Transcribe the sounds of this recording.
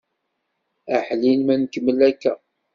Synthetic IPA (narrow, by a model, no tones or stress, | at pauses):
æħlinmænkəməlækːæ